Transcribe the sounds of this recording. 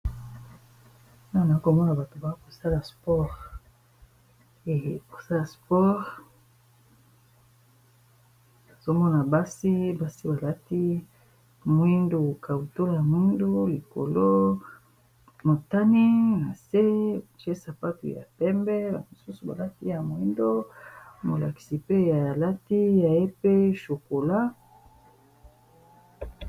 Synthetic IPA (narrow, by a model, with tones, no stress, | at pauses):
na˦˨na˨i˦ko˨mɔ˦na˨ba˨to˨ba˨˦ko˨sa˦la˨spɔ˦ʁ | e˨ko˨sa˦la˨spɔ˦ʁ | a˨z̥o˦mɔ˦na˨ba˦si˦ba˦si˦ba˨la˦ti˦ | mwi˦ndu˨ka˨wu˨to˦lja˨mwi˦ndu˦li˨ko̰˨lo˦ | mo˨ta˦ni˦na˨se˦˨t͡ʃe˦sa˨pa˦tṵ˨ja̰˨pɛ˦mbɛ˦ba̰˨mo˨su˦su˨ba̰˨la˦ti˦ja˨mo˨i˦ndo˦mo˨la̰˨ki̥˨si˨pe˦ja˨la˦ti˦ja˨je˦pe˦ʃo˨ko˨la˦